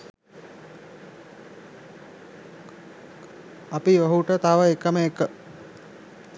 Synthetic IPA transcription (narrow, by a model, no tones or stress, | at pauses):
ɐpiʋɐɦuʈət̪aːʋəekːəməekːə